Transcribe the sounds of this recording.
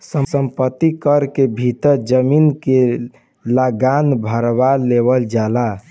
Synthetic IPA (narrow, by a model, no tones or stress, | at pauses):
səsəmpət̪ːikəɾkebʱit̪əɾd͡ʒəminke | ləɡanbʱəɾbaleβəld͡ʒala